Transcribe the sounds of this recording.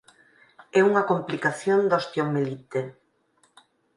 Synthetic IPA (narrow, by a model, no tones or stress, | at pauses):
ɛuŋɐkomplikaθjond̪ost̪jomelit̪e